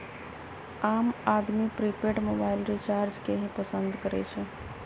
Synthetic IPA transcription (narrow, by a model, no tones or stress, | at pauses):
aːmaːd̪mipɾipeʈmoːbaːɪlɾit͡ʃaːɾd͡ʒkeɦẽpəsə̃nd̪kəɾɛ̰t͡ʃʰe